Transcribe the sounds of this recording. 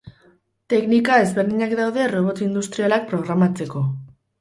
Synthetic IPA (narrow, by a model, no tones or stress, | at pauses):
t̪e̞knikae̞zβe̞ɾðiɲakd̪awðe̞ro̞β̞o̞t̪ind̪ust̪ɾialak̚pɾo̞ɣɾamat͡se̞ko̞